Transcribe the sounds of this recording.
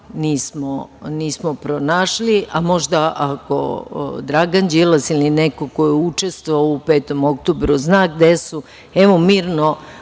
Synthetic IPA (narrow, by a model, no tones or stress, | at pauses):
niːsmoniːsmopɾonaːʃliʔamo̞ʒd̪aʔako̰d̪ɾaɡand͡ʑelasilinekoko̞jeut͡ʃest̪ʋoaoupeːt̪o̞mo̞k̚t̪obɾuznaːɡd̪esu | eʋomiːɾno